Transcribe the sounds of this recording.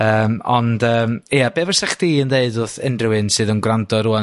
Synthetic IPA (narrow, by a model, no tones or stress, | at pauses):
əːmɔndəːmiːabeːvərsaχd̥iːəndeɨdʊθɪnrɪwɨnsɨːðənɡrandɔɾua